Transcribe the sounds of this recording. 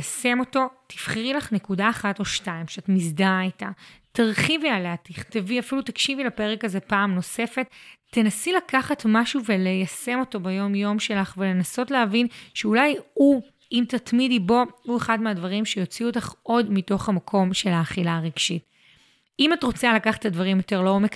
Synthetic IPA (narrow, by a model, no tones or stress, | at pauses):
jase̞mo̞to̞tʰi̥fχiʁilaχnekudaːχatoʃtaimʃeatmizdaitataʁχivialaatiχteviafilutakʃivilape̞ʁekaze̞paːmno̞se̞fe̞tːenasilakaχatmaʃuve̞le̞jase̞mo̞to̞bejo̞mjo̞mʃe̞laχvele̞naso̞tleɦavinʃeulaju | imtatmidibo̞ue̞χadmeadvaʁimʃejo̞t͡siutaχo̞dmito̞χhamakʰo̞mʃe̞laːχilaʁiɡ̥ʃit | imatʁo̞t͡salakaχḁtadvaʁimjo̞te̞ʁloomek